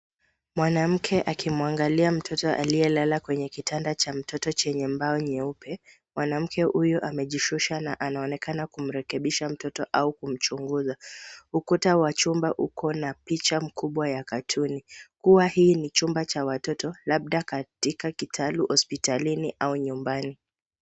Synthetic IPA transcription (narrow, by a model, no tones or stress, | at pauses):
mwanam̩kʰɛʔakimuaŋɡaliam̩tʰɔtɔʔaliɛlalakwɛɲɛkitʰandat͡ʃam̩tɔtɔt͡ʃɛɲɛmbaɔɲɛupʰɛ | mwanam̩kʰɛhujɔʔamɛʄiʃuʃanaʔanaɔnɛkanakum̩ɾɛkɛɓiʃam̩tɔtɔʔaukum̩t͡ʃuŋɡuzahukutawat͡ʃumbaʔukʰɔnapit͡ʃam̩kʰuɓwajakatʰunikuwahiːnit͡ʃumbat͡ʃawatɔtɔlaɓ̚ɗakatikakitʰaluhɔspitaliniʔauɲumbani